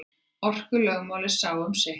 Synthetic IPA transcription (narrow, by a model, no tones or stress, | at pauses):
ɔr̥kʏlœɣmaːwlɪsaːwœmsɪ